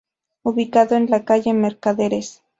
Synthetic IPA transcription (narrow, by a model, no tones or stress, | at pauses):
uβikaðoenlakaʝeme̞ɾkaðeɾes